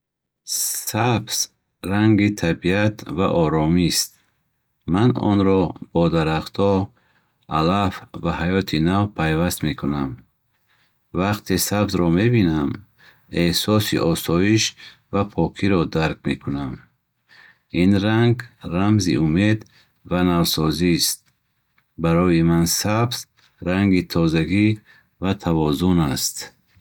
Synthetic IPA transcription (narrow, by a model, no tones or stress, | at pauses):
sabz̥ | raŋɡit̪ʰabiat̪va̰ʔɔɾɔmist̪̚ | manɔ̰nɾɔb̥ɔd̪aɾaχt̪ʰɔ | alafvahajɔt̪ʰinavpʰajvast̪me̞kʰunam | vaqt̪ʰesabzɾɔme̞binam | ehsɔsḭʔɔsɔiʃ | vapʰɔkʰiɾɔd̪aɾk̚me̞kʰunam | inɾaŋɡramzḭʔume̞d̪ | vanavsɔzist̪̚ | baɾɔjimansabz̥ | ɾaŋɡit̪ʰɔzaɡi | vat̪ʰavɔzunast̪